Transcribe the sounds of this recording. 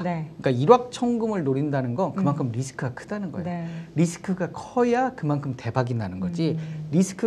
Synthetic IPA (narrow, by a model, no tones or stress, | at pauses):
nek͈aiɾwak̚t͡ɕʰʌŋɡɯmɯɭnoɾindanɯnɡʌnkɯmaŋkʰɯmɾisʰɯ̥kʰɯɡakʰɯ̥danɯnɡʌjooɾisʰɯ̥kʰɯɡakʰʌjakɯmankʰɯmte̞baɡindanɯnɡʌd͡ʑiɾisʰɯ̥kʰɯ